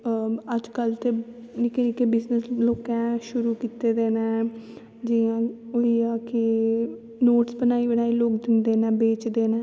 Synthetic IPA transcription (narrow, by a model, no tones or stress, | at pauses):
əd͡ʒkəlt̪eː | nikeniːkebɪznəsloːkɛ̃ːʃʊɾuːkiːt̪eːd̪eːnɛ̃ː | d͡ʒɪãːoiːaːkɪ | noːʈsbənaːiːbəɽaːiːloːkd̪ɪnd̪eːnɛ̃ːbeːt͡ʃd̪eːnɛ̃ː